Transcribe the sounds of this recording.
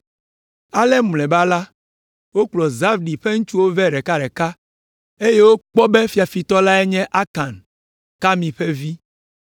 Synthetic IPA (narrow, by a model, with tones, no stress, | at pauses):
a˦lɛ˦m˨lɛ̃˨ba˦la˦ | wo˦k͡plɔ˨za˦vɖi˨ɸe˦ŋ̩̃˦t͡ʃu˦wo˦vɛ˦ɖɛ˨ka˦ɖɛ˨ka˦ | e˦je˦wo˦k͡pɔ˦bɛ˦fi˨˦a˨fi˨t̪ɔ˦la˦ɛ˦ɲɛ̃˦ʔa˦ka˨n | ka˦mĩ˨ɸɛ˦vi˦